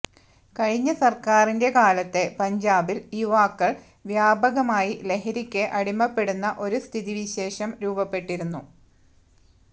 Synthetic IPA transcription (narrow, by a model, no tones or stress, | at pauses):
kɐɻiɲːɐsɐrkaːrinde̞kaːlɐt̪ːe̞pɐɲd͡ʑaːbiliʋaːkːɐɭ | ʋjaːbɐɣɐmaːjile̞ɦɐɾikʲːeʔɐɽimːɐpːe̞ɽunːɐʔo̞ɾust̪ʰiðiʋiɕe̞ːʂɐmɾuːbɐpːe̞ʈːiɾunːu